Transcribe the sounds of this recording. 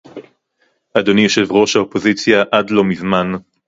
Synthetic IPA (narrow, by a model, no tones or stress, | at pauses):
ʔad̪onijo̞ʃe̞vʁo̞ʃhaopo̞zit͡sjaʔadlo̞mizman